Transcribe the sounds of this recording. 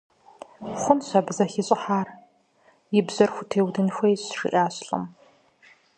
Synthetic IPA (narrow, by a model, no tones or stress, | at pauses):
χʷʊnɕɐbzɐxɪɕʼɪħaːr | jɪbzɐrxʷʊtʰeːwdɨnxʷɐjɪɕʂḭʔaːɕɬʼɨ̰m